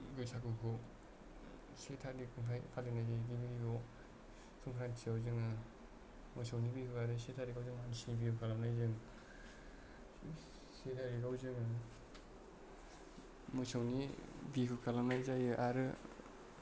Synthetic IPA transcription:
ɡɯjsʰakukʰɔ | setʰadikʰuŋʰajpʰalinajzajɡimiɾiɡɔ | tʰɯŋkʰɾantʰiawzɯŋɯ | mɔjsʰawnibikʰɯaɾɯsetʰaɾiɡawzɯŋansibikukʰalamnajzɯŋ | setʰaɾiɡawzɯŋɯ | mɔjsʰawnibikʰukʰalamnajzajɯʔaɾɯ

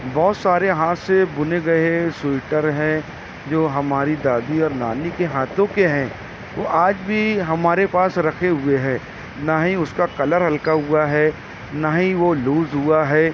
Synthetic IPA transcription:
bɔːt̪saːɾeɦaːt̪sebʊneɡɐesɪɪʈəɾɦɛ̃ | d͡ʒoːɦɐmaːɾid̪aːd̪iɔːɾnaːnikeɦaːt̪ʰõkeɦɛ̃ː | toʔaːd͡ʒbʱiɦɐmaːɾepaːsɾɐkʰeɦʊeɦɛ̃ː | naːɦĩʊskakɐləɾɦɐlkaɦuaɦɛː | naːɦĩʋoluːzɦuaɦɛː

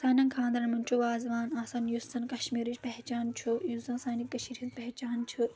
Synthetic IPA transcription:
saːnɐ̃ŋkʰãːnd̪ɾɐnmɐnt͡ʃʰuʋaːzʋaːnaːsɐnjusɐnkɐʃmiːɾit͡ʃpɐɦt͡ʃaːnt͡ʃʰujuzɐnsaːnikːɐʃiːɾit̪pɐɦt͡ʃaːnt͡ʃʰu

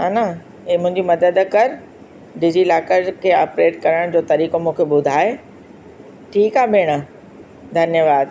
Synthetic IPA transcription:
ɦana | mʊ̃ɦɪ̃ɲd͡ʑimɐd̪əd̪kɐɾ | ɖɪd͡ʑilaːkəɾkʰeːaːpɾeːʈkɐɾəɽ̃d͡ʑoːt̪ɐɾiːkomũːkʰeɓʊd̪ʱaːe | ʈʰiːkaːbʱeːɽ̃ə | d̪ʱɐnjəʋaːd̪

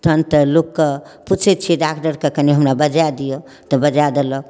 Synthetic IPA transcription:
t̪ʰənt̪əlokːə | put͡ʃʰɛt̪t͡ʃʰiɖakʈəɾkekəniɦəmɾabəd͡ʒad̪ijo | t̪əbəd͡ʒad̪elə

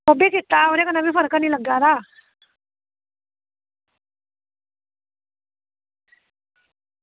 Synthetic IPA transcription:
obikʰit̪ːaoɾekənabifəɾkəniləɡaɾa

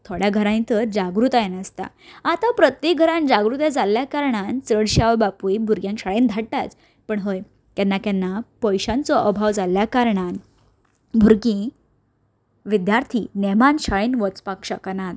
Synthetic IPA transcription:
t̪ʰoɽjaɡʱəɾãnit̪əɾd͡ʑaɡɾut̪ajenəst̪a̰ | at̪apɾət̪jek̚ɡʱəɾãnd͡ʑaɡɾut̪jad͡zalːjakaɾɳ̃ant͡səɽɕaʋbapujbʱuɾɡjãŋɕaɭend̪ʱaɽʈat͡s | pəɳɦəj | kanːakanːapəjɕãnt͡sɔʔəbʱaʋd͡zalːjakaɾɳan | bʱuɾɡĩ | ʋid̪jaɾt̪ʰiːnɛmanɕaɭenʋɔt͡spakɕəknat̪

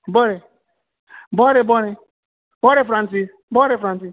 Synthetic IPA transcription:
bɔɾɪ | bɔɾɪbɔɾɪ | bɔɾɪfɾan̩s̬is | bɔɾɪfɾansis

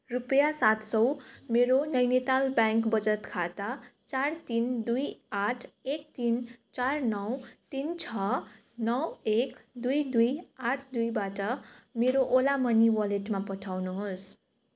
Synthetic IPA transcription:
rupʌjasat̪sʌwmeɾonʌjnet̪albjaŋkbʌd͡zʌt̪kʰat̪at͡sart̪ind̪ujaʈʰek̚t̪int͡sarnʌwt̪int͡sʰʌ | nʌwekd̪ujd̪ujaʈʰd̪ujbaʈʌmeɾoʔolamʌniwʌleʈmapʌʈʰawnuɦos

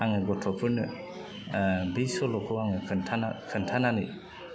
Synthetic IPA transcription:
aŋɯɡɔtʰɔpʰɯɾnɯ | bisɔlɔkʰɯwaŋɯntʰaakʰɯntʰanani

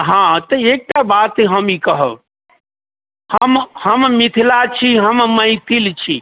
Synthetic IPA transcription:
ɦãt̪əek̚ʈabat̪ɦəmikəɦəb | həmhəmmit̪ʰilat͡ʃʰiɦəmməit̪ʰilt͡ʃʰi

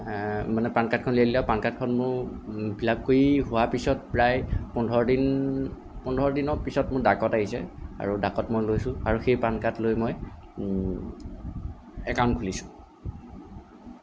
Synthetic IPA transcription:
manɛpankat̚kʰɔnliadilaʊpankat̚kʰɔnmʊbʱilab̚kojiɦʊwapisɔt̚pɹajpɔndʱɔɹɔdin | pundʱɔɹdinɔpisɔtmʊɹdakɔtaɦisɛ̰a̰ɹudakɔtmojlojsʊ̃aɹuxejpankatlojmɔj | ɛkawntkʰulisʊ̥̃

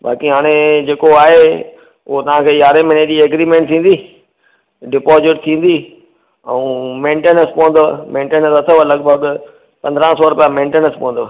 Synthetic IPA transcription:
ba̰ːkiɦaːɽ̃ed͡ʑeːkoaːɦe | ʊɦot̪ɐʋ̤ãkʰeːjaːɾemened͡ʑiɐɡɾiːmẽɳʈ̚t̪ʰĩːn̆d̪iː | ɖɪpoːzɪʈ̚t̪ʰĩːn̆d̪i | ɛ̃ũmẽːɳʈeːnəspoɦə̃nd̪omẽːɳʈeːnəsɐt̪ʰolɐɡbʱəɡ | pɐ̃nd̪ɾãsɔːɾʊpijãmẽːɳʈeːnəspʊɦə̃nd̪oː

